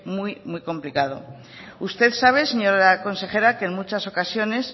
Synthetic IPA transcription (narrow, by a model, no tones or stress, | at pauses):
mujmujko̞mplikað̞o̞̰ | ust̪e̞ðsaβ̞e̞se̞ɲo̞ɾako̞nse̞xe̞ɾakeŋmut͡ʃaso̞kasjo̞ne̞s